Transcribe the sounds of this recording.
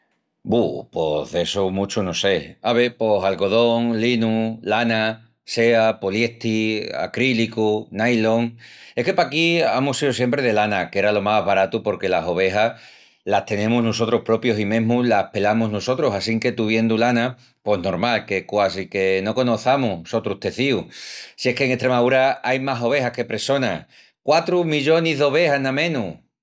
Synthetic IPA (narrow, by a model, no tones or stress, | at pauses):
bupo̞ɦðe̞somut͡ʃuno̞se̞aβepo̞ɦalɣo̞ðoŋlinulana | se̞apolje̞ht̪ia̰kɾilikunajlo̞ŋe̞hke̞pakiamusiðosje̞mpɾe̞ðe̞lanake̞ɾalo̞maɦβaɾat̪upo̞ɾke̞laso̞β̞e̞ɦa | laht̪e̞nẽ̞muznoso̞t̪ɾo̞hpɾo̞pjo̞simẽ̞ɦmulahpe̞lamuznoso̞t̪ɾosasiŋke̞t̪uβ̞je̞nd̪ulana | po̞zno̞ɾmalke̞kwas̬ike̞no̞ko̞noθamusot̪ɾut̪e̞θiusie̞hkeːŋet̪ɾe̞maðuɾaajmaso̞βe̞hahke̞pɾe̞so̞na̰ | kwat̪ɾumiʎo̞niɦðo̞βe̞hanãmẽ̞nu